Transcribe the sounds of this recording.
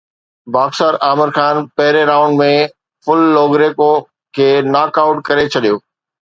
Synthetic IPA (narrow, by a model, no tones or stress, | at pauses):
baːxsəɾaːmɪɾxaːnpɐɦɪɾeɾaːʊ̃ɳɖmẽ | fʊlːoːɡɾeːko | kʰeːnaːkaːʊʈkɐɾet͡ɕʰɐɗijoː